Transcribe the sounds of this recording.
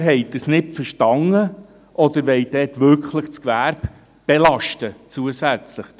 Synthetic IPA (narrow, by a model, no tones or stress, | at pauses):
ɦɛɪdəsnɪpfəʃtɑŋə | ʔɔd̥̪əɾʋɛɪd̥ɛːtʋʏɾkχləχt͡skvæːɾb | b̥ɛlɑʃtət͡suəsæt͡sləχ